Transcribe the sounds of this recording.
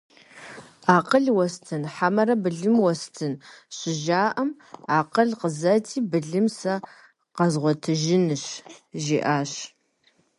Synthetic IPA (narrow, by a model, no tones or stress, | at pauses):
aːqəɮwɔstʰɨnħamɐɾɐbɨɮɨmwɔstʰɨnɕɪʒaːʔɐm | aːqəɮqəzɐtʰiːbɨɮɨmsɐ | qɐzʁʷɔtʰɨʒɪnɨɕʒiːʔaːɕ